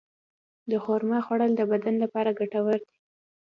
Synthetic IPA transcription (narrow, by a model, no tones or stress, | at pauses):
d̪əxoɾmɑxwaɽəld̪əbad̪anlapɑɾaɡaʈawəɾd̪i̥